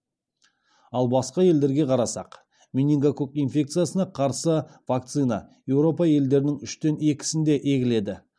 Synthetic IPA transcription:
ɑlˠbɑsqɑje̞ld̪e̞ɾɡʲe̞qʰɑɾɑsɑ̰q | minʲiŋɡakokijnfʲe̞k̚t̪sijasənɑqʰɑɾsəv̥ak̚t̪sɨnɑ̰je̞wɾo̞pɑje̞ld̪e̞ɾɪnɪŋʏʃt̪e̞ne̞kʲɪ̥sɪnd̪e̞ʔe̞ɡʲɪle̞d̪ɪ

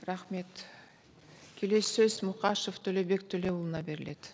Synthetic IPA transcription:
rɑχme̞t̪ | kʲʰe̞le̞ssøzmʊqɑʃoft̪ʰɵle̞be̞kt̪ʰɵle̞ulˠənɑbe̞ɾɪle̞d̪̥

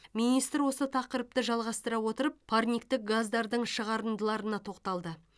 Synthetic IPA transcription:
minijst̪ɾwo̞sət̪ʰɑqəɾəp̚t̪əʒɑlˠʁɑst̪əɾɑwo̞t̪əɾəp̚pʰːarnʲik̚t̪ɪk̚ɡazd̪ɑɾd̪əɴʃəʁɑɾənd̪əlˠɑɾənɑt̪ʰo̞qt̪ɑlˠd̪ə

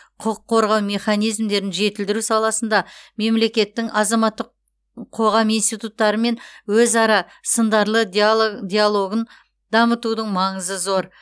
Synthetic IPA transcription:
qʰʊqʰːo̞ɾʁɑwme̞χɑnijzmd̪e̞ɾɪnʒe̞t̪ɪld̪ɪɾusɑlˠɑsənd̪ɑme̞mle̞kʲe̞t̪ːɪŋɑzɑmɑt̪ːəq | qʰo̞ʁɑmijnst̪ijt̪ut̪ːɑɾəme̞nwɵzɑɾɑ | sənd̪ɑɾlˠəd̪ʲijalˠo̞ɡən | d̪ɑmət̪ud̪əɴmɑɴəzəzo̞ɾ

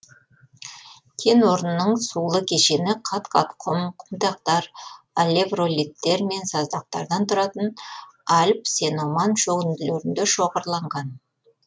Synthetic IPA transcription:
kʲʰe̞nwo̞ɾnənːəɴsulˠəkʲʰe̞ʃe̞nɪqʰɑt̪qʰɑ̰t̪qʰʊmqʰʊ̥md̪ɑq̚t̪ɑɾ | alʲe̞vro̞lʲit̪ːe̞ɾme̞nsɑzd̪ɑq̚t̪ɑ̰ɾd̪ɑnt̪ʰʊɾɑt̪ənɑlʲp̚se̞no̞mɑnʃɵɡɪnd̪ɪleɾɪnd̪eʃoʁəɾlˠɑɴʁɑn

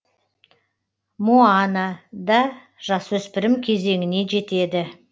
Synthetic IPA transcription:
muɑnɑd̪ɑ | ʒ̥ɑswɵspɪɾɪmkʲʰe̞ze̞ŋʲɪne̞ʒe̞t̪e̞d̪ɪ

